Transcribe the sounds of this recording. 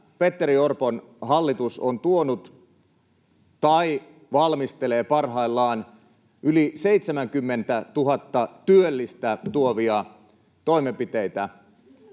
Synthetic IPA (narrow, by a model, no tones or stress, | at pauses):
pe̞t̪ːeɾiorpon | ɦɑlːit̪usont̪uonut̪ | t̪ɑi | ʋɑlmist̪ele̞ːpɑrɦɑilːɑːn | ʔylise̞it̪semæŋkymːe̞nt̪æt̪uɦɑt̪ːɑt̪yølːist̪æt̪uoʋiɑ | t̪o̞imempit̪e̞it̪æ